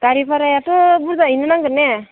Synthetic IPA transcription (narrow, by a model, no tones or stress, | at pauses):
ɡ̥aɾipaɾajatɔbuɾdainɯnaŋɡɯɾnɛ